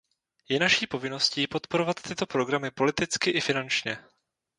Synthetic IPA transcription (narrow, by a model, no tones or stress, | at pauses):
jɛnaʃiːpo̞vɪno̞sciːpo̞t̪po̞ɾo̞vat̪ːɪt̪o̞pɾo̞ɡɾamɪpo̞lɪt̪ɪt͡skɪʔɪfɪnant͡ʃɲɛ